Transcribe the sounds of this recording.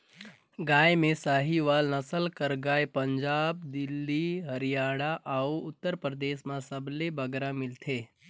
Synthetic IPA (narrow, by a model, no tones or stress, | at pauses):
ɡaːjmẽsaːɦiʋaːlnɐsəlkəɾɡaːjpəɲd͡ʒaːb̚d̪ɪlːiɦəɾijaːɽaʔauʊt̪ːəɾpɾəd̪eːʃmãsəblebəɡɾamɪlt̪ʰeː